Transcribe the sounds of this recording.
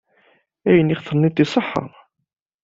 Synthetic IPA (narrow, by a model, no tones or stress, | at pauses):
æjənːiχθənːit̪ːisˤəħːɑ̰ʁ